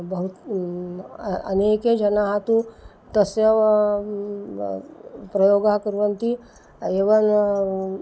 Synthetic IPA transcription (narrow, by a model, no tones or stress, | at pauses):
bɐɦut̪ | ɐ̰neːked͡ʒɐnaɦat̪ũ | t̪ɐsjɐʋ | pɾɐjoːɡakɐɾʋɐnt̪i | eːʋɐn